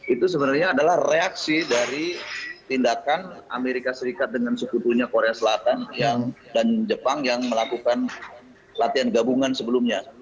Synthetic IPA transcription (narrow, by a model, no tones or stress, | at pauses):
ʔit̪us̬əbənarɲaːdalahreaksidaɾit̪indakanʔa̰meɾikasəɾikat̪̚dəŋansəkut̪uɲakoɾeasəlat̪anjaŋdand͡ʒəpaŋjaŋməlakukan | lat̪ianɡabuŋansəbəlumɲa